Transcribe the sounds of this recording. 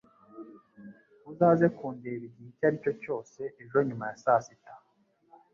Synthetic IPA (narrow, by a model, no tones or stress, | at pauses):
uzaːze̞kuːndieβiɟihicaɾico̞co̞ːse̞ʔeʒo̞ɲumajasasita